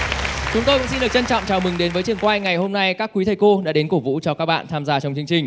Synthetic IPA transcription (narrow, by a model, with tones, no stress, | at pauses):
t͡ɕʊ˨˦ŋ͡mt̪o˧ksi˧nɗɨ˨˩ət͡ɕə˧nt͡ɕɔ̰˧˨wŋ͡mt͡ɕaː˨˩wmɨ˨˩ŋɗe˨˦nvəː˨˦jt͡ɕɨ˨˩əŋkwaː˧jŋa˨˩jho˧mna˧jkaː˦˥kːwi˨˦t̪ʰə˨˩jko˧ɗa̰ː˧˥ɗe˨˦nko˧˩vṵ˧˥t͡ɕɔ˧kaː˦˥k̚ɓa̰ː˧˨t̪ʰaː˧mzaː˧t͡ɕɔ˧wŋ͡mt͡ɕɨ˧əŋt͡ɕï˨˩ŋ̟